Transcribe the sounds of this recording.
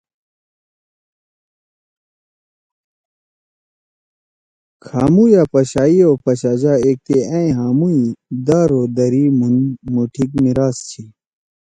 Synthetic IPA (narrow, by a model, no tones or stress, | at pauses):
kʰaːmujaːpɐɕaːiopɐɕaːd͡ʑaːeːk̚t̪eãĩɦaːmuid̪aːɾoːd̪ɐɾimunmuʈʰikmiɾaːst͡ɕʰi